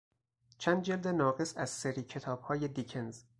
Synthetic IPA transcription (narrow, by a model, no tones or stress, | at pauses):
t͡ʃʰænd̪̚d͡ʒeld̪enɒːɣesæz̥seɾiːcʰe̞t̪ʰɒːb̥hɒːjed̪icʰenz